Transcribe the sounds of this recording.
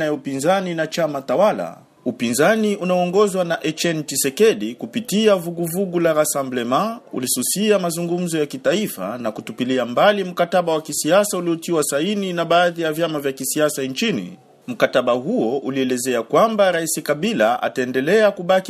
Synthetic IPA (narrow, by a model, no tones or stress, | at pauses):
ajaupinzaninat͡ʃamatawala̰ | upinzaniunaɔŋɡɔzwanaʔɛt͡ʃɛntisɛkɛɗikupitiavuɡuvuɡulaɾasamblɛmaṵlisusiamazuŋɡum̩zɔjakitaifa̰nakutupiliambalim̩kataɓawakisiasauliɔtiwasaininaɓaːðijavjamavjakisiasant͡ʃinḭ | m̩kataɓahuɔʔuliɛlɛzɛakwambaɾaisikaɓilaʔa̰taɛndɛlɛakuɓaki